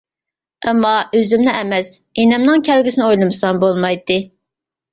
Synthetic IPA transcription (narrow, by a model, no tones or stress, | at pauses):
ɛmːɑøzymnɛʔɛmɛsenɛmnɨŋkʲʰɛlɡʲisɪnɨojlˠɨmɨsɑmbolˠmɑjt̪ːɨ